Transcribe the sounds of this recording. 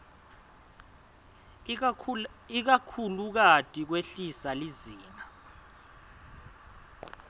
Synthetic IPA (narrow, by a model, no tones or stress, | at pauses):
ik̬akʰuluk̬atʼik̬weɬisaliziːna